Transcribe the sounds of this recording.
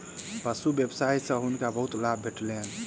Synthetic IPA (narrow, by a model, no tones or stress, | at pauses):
pəsubebsaisə̃ɦunkabəɦut̪labʱeʈlen